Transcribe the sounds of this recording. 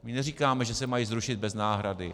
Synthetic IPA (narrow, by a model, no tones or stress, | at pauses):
mɪnɛriːkaːmɛʒɛsɛmajiːzɾuʃɪd̪̚bɛznaːɦɾadɪ